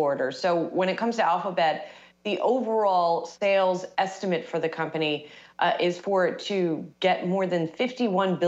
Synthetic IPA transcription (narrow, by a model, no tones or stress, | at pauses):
ɔɹɾə˞soʊwə̃ñɨt̚kʰʌ̃mz̥tʰɨælˠfəbɛt̪̚ | ðiʔoʊvə˞ɔlˠseɪlˠzɛstɨmɨtfə˞ðɨkʰʌ̃mpɨñiʔɪz̥fə˞tʰɨɡɛt̚mɔɹðɨ̃nfɪftiwʌ̃nbɪ